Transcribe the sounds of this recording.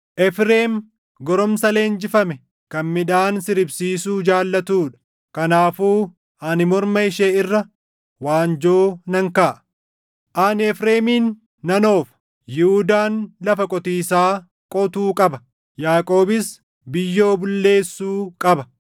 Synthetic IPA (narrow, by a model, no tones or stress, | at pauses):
ʔɛfɾeːm | ɡɔɾɔmsɐle̞ːnd͡ʒɪfɐmɛ | kɐnmɪᶑaːnsɪɾɪbsiːsuːd͡ʒaːlːɐt̪uːᶑɐ̥ | kɐnaːfuː | ɐnɪmɔɾmɐɪʃeːɪrːɐ | waːnd͡ʒoːnɐŋkaːʔ | ʔɐnɪɛfɾeːmiːnː | ɐno̞ːf | jɪhʊd̪aːnlɐfɐkʼɔt̪iːsaː | kʼɔt̪uːkʼɐbɐ | jaːkʼo̞ːbɪs | bɪjːo̞ːbʊlːe̞ːsːuːkʼɐbɐ